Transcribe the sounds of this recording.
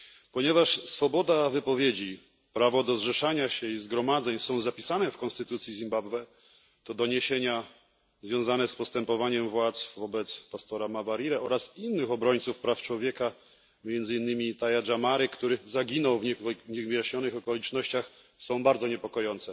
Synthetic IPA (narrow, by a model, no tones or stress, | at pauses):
pɔɲɛvaʂsfɔbɔd̪avɘpɔvʲjed͡ʑi | pɾavɔd̪ɔzʐɛʂaɲaɕɛizɡɾɔmad̪zɛɲsɔ̃w̃zapʲisanɛfkɔ̃nst̪ɘt̪ut̪sʲjizʲimbabvɛ | t̪ɔd̪ɔɲeɕeɲa | zvʲjɔ̃w̃zanɛspɔst̪ɛmpɔvaɲɛmvwat̪svɔbɛt̪spast̪ɔɾamavaɾiɾɛʔɔɾasinːɘxɔbɾɔɲt̪sufpɾaft͡ʂwɔvʲjɛka | mʲjɛnd̪zɘinːɘmʲit̪ajaʐamaɾɘkt̪uɾɘzaɡʲinɔwvɲiɣvɘjaɕɲɔnɘxɔkɔlʲit͡ʂnɔɕt͡ɕax | sɔ̃w̃baɾd̪zɔɲɛpɔkɔjɔnt̪sɛ